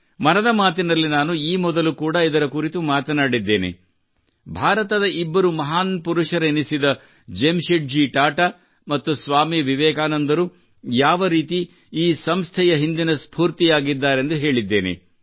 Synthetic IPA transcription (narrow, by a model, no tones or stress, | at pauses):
mɐnɐd̪ɐmaːt̪̬inɐlːinaːnuiːmɔd̪ɐlukuːɽɐid̪ɐɾɐkuɾit̪umaːt̪ɐnaːɽid̪ːe̞ːnḛ | bʱaːɾɐt̪ɐd̪ɐibːɐɾumɐɦaːnpuɾuʂɐɾenisid̪ɐ | d͡ʒemʃeɖ̚d͡ʒiʈaːʈa | mɐt̪ːusʋaːmiʋiʋɛːkaːnɐnd̪ɐɾu | jaːʋɐɾiːt̪i | iːsɐmst̪ʰɛjɐɦind̪inɐspʰuːɾt̪ijaːɡid̪ːaːɾe̞nd̪uɦe̞ːɭid̪ːe̞̰ːnḛ